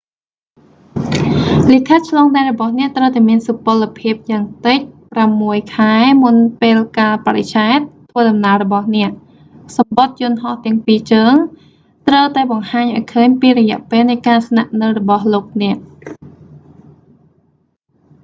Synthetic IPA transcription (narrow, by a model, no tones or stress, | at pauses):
likʰət̪̚t͡ɕʰlɑːŋɗaɛlrɔɓɑhnɛ̆əʔt̪rəwt̪aɛmiənsupoəlːpʰiəp̚jaːŋt̪ɨc̚pramːuəjkʰaɛmunpeːlkaːlpaɾet͡ɕaɛt̪̚ʰːʋəːɗɑmnaːəlrɔɓɑhnɛ̆əʔ | sɑmɓot̪̚jʊənɦɑht̪ɛ̆əŋpiːt͡ɕəːŋ | t̪rəwt̪aɛɓɑŋhaːɲʔaɔjkʰəːɲpiːrɔjɛ̆əʔpeːlnɨjkaːsnaʔnɨwrɔɓɑhloːk̚nɛ̆əʔ